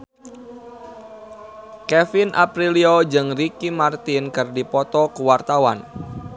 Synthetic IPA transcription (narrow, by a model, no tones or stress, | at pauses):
kɛfinʔa̰pɾiliod͡ʒɨŋrikimart̪inkɨrdipɔt̪ɔkuwart̪awa̰n